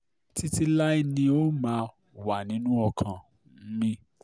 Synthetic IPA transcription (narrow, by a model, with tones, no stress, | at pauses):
ti˦ti˦la˦i˦˧nĩ˧o˦mãː˨˦ | wa˨nĩ˨˦nũ˦ɔ˧kʰã˨˦ | mĩ˦